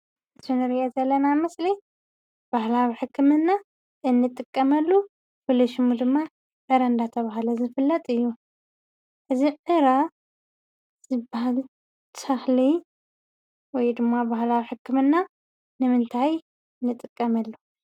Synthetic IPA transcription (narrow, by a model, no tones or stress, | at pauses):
ɨt̪ʰunɨɾɨʔezɐlːɐnamɨsli | b̥ahlawiħɨkʰːɨmɨnːa | ʔɨnːɨt̪ʼɨkʼːɐmɐlːu | fɨlɐʃmud̪ɨmːa | ʕɨɾand̪at̪ʰɐβaɦalɐzɨfɨlːɐt̪ʼɨjːu | ʔɨziʕɨɾa | z̥ɨbahal | t̪ʰɐxli | wɔjd̪ɨmːabahlawiħɨkːɨmɨnːa | nɨmɨnt̪ʰaj | nːɨt̪ʼɨkʼːɐmɐlːu